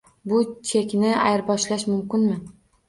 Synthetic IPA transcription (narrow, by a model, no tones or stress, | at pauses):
bʊt͡ʃʰekʲnɪa̰jɾbɒʃlaʃmʊmkʲɪnmɪ